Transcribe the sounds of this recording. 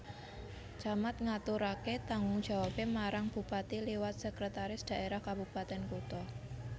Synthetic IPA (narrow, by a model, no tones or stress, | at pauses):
t͡ʃamat̪̚ŋat̪uɾaket̪aŋʊŋd̥ʒ̥a̤wapemaɾaŋb̥ṳpat̪iliwat̪̚sɛkɾət̪aɾɪsd̪̥a̤ʔeɾahkabṳpat̪ɛnkut̪ɔ